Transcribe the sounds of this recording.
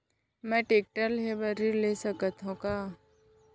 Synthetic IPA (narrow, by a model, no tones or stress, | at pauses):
mɛ̃ːʈeːk̚ʈəlɦebəɾilesəkət̪ɦũkaː